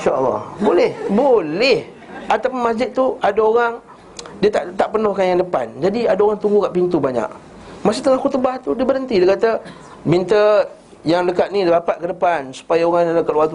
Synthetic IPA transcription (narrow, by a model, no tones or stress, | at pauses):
ʃalːɑ̰hbolɛhbolɛh | at̪awpʊnmas̬d͡ʒɪt̪̚ːuadaoɣaŋ | diət̪aʔt̪aʔpənʊhkanjaŋdəpa̰nd͡ʒadiadaoɣaŋt̪uŋɡukaʔpint̪ubaɲa̰ʔ | masiɪt̪ːəŋaxut̪ubaht̪udiəbəɾənt̪idiəkat̪ə | mint̪ə | jaŋləkat̪̚nidəbapat̪̚kədəpansu̥pajaoɣaŋaləkat̪luwat̪u